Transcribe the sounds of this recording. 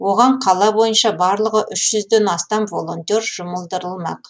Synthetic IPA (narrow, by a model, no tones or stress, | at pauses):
wo̞ʁɑɴqʰɑlˠɑbo̞jənʃɑbɑɾlˠəʁəʔʏʃʒ̥ʏzd̪enɑst̪ɑmvo̞lˠo̞nt̪ʲe̞ɾʒʊməlˠd̪əɾəlˠmɑ̰q